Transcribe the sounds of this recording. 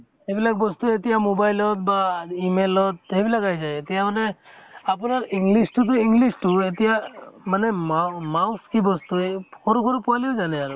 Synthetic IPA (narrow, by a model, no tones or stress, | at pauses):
ebilak̚bɔst̪uetijamobajlɔt̪̚baimelɔt̪̚ːebilaɡajzajet̪ijamanɛapunaɾiŋɡlisʈut̬uiŋɡlistuetijamanɛmamawskibɔst̪uekʰɔɾukʰɔɾupuwaliozanɛaɾu